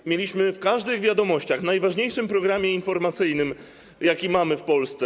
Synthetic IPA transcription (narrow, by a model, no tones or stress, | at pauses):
mʲjelʲiɕmɘfkaʐd̪ɘɣvʲjad̪ɔmɔɕt͡ɕaxnajvaʐɲejʂɘmpɾɔɡɾamʲjɛinfɔɾmat̪sɘjnɘm | jakʲimamɘfpɔlst̪sɛ